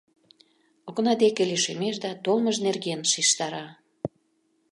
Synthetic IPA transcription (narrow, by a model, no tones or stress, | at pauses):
oɣnɑd̪ekeliʃemeʃd̪ɑt̪olməʒnerɣenʃiʃt̪ɑɾɑ